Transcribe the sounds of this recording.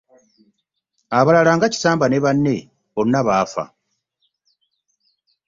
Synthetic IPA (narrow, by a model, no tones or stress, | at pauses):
aβalalaːŋɡaci̥saːmbane̞βanːe̞ | βo̞nːaβaːfa̰